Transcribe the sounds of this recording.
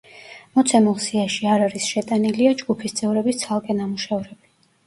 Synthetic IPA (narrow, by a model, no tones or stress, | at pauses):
mɔt̪sʰɛmɛlˠsiaʃiaɾaɾisʃɛt̪ʼaniliad͡ʒɡupʰist̪sʼɛvɾɛbist̪sʰalˠkʼɛnamuʃɛvɾɛb̥i